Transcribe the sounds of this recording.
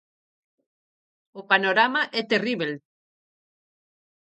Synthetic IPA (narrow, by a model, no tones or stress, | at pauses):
opanoɾamaʔɛt̪eriβel